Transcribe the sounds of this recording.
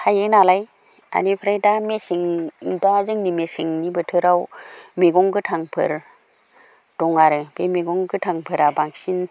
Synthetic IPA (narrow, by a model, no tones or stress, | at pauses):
hajenalaj | a̰nipʰɾajdamesiŋdazɯŋnimesiŋnibɯtʰɯɾawmeɡɔŋɡɯtʰaŋpʰɯ̰ɾ | d̥ɔŋaɾɯb̥emeɡɔŋɡɯtʰaŋpʰɯɾabaŋsin